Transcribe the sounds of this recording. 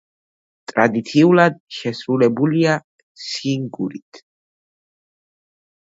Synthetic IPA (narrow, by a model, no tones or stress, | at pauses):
t̪ʼɾad̪it̪sʰiulad̪̚ʃɛsɾulɛbulia | siŋɡuɾit̪ʰ